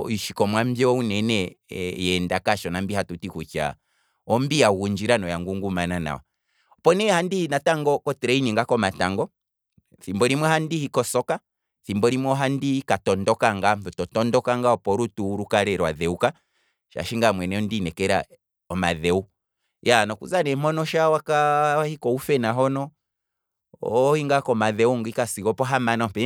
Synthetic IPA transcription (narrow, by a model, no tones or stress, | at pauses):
iʃikɔmwambjɛɔunɛnɛjɛndakaʃɔnambihatutikut͡ʃa̰ | ɔmbiaɣuɲd͡ʒiɾanɔjaŋɡuŋɡumanana̰ɔ̰ | ɔpɔnɛhandinataŋɡɔkɔtɛɾɛiniŋɡakɔmataŋɡɔ | θimbɔɾimwɔhandihikɔsɔka | θimbɔɾimwɔɦandikatɔndɔkaŋɡam̩θɔtɔtɔndɔkaŋɡaɔpɔɾutuːɾukaɾɛɾwa̰ðɛuka | ʃa̰ʃiŋɡamwɛnɛɔndinɛkɛɾa̰ | ɔma̰ðɛu | janɔkṵzanɛmɔnɔʃawakaahikɔufɛnaɦɔnɔ | hiŋɡakɔmaðɛuŋɡikasiɣɔpɔɦamanɔpɛ